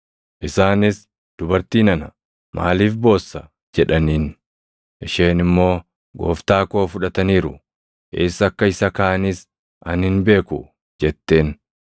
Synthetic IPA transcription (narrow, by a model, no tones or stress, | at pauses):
ʔɪsaːnɪs | d̪̥ʊbɐɾt̪iːnɐnɐ | mʔa̰ːliːfbo̞ːsːɐ | d͡ʒɛᶑɐniːn | ʔɪʃe̞ːnɪmːo̞ː | ɡo̞̰ːft̪aːko̞ːfʊᶑɐt̪ɐniːɾʊ | ʔɪsɐkːɐɪsɐkɐʔɐnɪs | ʔɐnhɪnbe̞ːkʊ | d͡ʒɛt̪ːe̞ːn